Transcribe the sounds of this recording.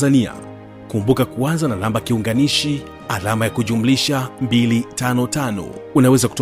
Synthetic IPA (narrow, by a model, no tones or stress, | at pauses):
zania̰ | kumbukakuanzananambakiuŋɡaniʃi | alamajakuʄumuliʃambilitanɔtanɔ̰unawɛzaku̥t